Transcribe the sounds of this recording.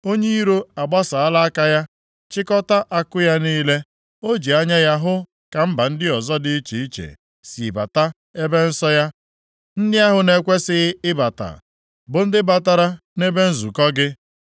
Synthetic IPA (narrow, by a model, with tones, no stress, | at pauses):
o˦ɲe˦i˦ɾo˦a˨ɡ͡ba˦sa˨a˦la˦a˦ka˦ja˦ | t͡ʃɪ˦kɔ˦ta˦ʔa˨kʊ˦ja˦niː˦le˦ | o˦d͡ʒi˨a˦ɲa˦ja˦ɦʊ˦ | ka˨m̩˦ba˨n̩˦dɪ˦ɔ˨zɔ˦dɪ˦i˦t͡ʃe˨i˦t͡ʃḛ˨ | si˨ba̰˨ta˦ | e˦be˦n̩˦sɔ˦ja˦ | n̩˦dɪ˦a˦ɦʊ˨ne˦kʷe˦sɪ˦ɣɪ˦ɪ˦ba˨ta̰˨ | bʊ˨n̩˦dɪ˦ba˦ta˦ɾa˦ | ne˦be˦n̩˦zu˨kɔ˦ɡɪ˦